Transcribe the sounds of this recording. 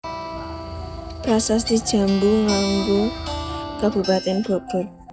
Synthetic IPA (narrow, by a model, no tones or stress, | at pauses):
pɾasas̬d̪i̥d͡ʒa̤mbuŋaŋɡu | kab̥ṳpat̪ɛnbob̥ʊt̚